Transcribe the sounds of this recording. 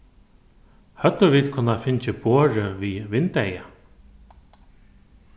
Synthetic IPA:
hœt̪ːəʋit̪kʰʊnafɪɲt͡ʃɪboːɾɪviʋɪnt̪ɛja

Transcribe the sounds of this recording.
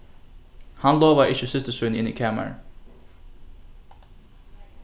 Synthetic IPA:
hɑnloːʋaʔɪçəsɪst̪əsʉnɪ̰nḭːkʰæmə̰ɹ

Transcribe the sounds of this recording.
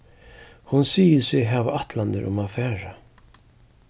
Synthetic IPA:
hʊnsiːjɪsɪɣɦaːvaʔat̪land̪ɪ̰ɾʔʊ̰maðfɛːɾa

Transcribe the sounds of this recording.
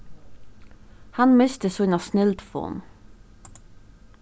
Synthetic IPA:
hɑnmɪst̪əsunɑsnɪlt̪fo̰ːn

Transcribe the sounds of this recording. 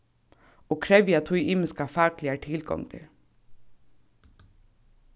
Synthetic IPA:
oːkʰɾɛʋjat̪ʰʊjʔɪːmɪskafɑːklɪaʈʰɪlɡɔ̰ŋt̪ʰɪ̰ɾ

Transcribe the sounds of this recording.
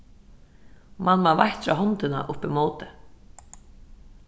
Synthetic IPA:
manːvavajht̪fɾawɦɔnt̪ɪna̰ʔʊhpimoːwt̪ɪ

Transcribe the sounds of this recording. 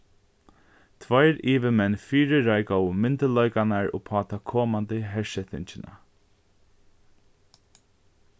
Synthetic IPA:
t̪ʰvajɾiːʋɪmɛnːfiːɾɪɾajkɔwmɪnt̪əlɔjkanaɹɔ̰ːpʰɑːt̪akʰɔːmant̪ɪɦɛɹʃɛt̪ɪɲt͡ʃɪna̰

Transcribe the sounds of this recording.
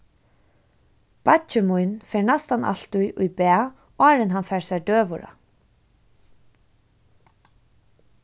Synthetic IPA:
pat͡ʃɪmujnfɛːɹnast̪ana̰l̥t̪ʊjʔʊjbæː | ɑːɾɪnɦanfɛːɹsaɹd̪øːʋʊɾa̰

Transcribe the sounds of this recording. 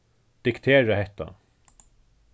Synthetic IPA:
d̪̥ɪkt̪ʰeːɹaɦɛht̪a̰

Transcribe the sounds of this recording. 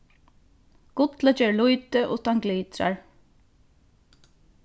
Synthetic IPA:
ɡ̥ʊt̪lət͡ʃɛlujt̪ɪʔʊ̰t̪anɡliːt̪ɾa̰ɹ

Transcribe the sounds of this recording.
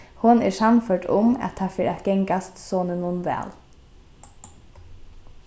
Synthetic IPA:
hʊnæ̰ːʂɑmføːʈʊ̰mɑ̰t̪̚ʰæːfiːɾʔæt̪ɡ̥ɛŋɡɑst̪soːnənːuːnʋæ̰ːl

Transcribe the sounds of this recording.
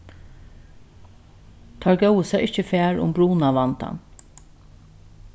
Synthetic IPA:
t̪ʰɑɹɡœwəsɛɪht͡ʃəfæːɹʊ̰mbɹuːnaʋant̪a̰n

